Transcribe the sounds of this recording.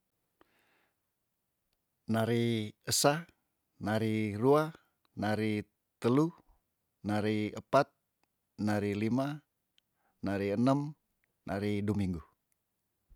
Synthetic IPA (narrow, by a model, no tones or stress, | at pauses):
naɾiəsa | naɾirua | naɾi | t̪əlu | naɾiəpat̪̚ | naɾilima | naɾiənəm | nʔa̰ɾidomiŋɡu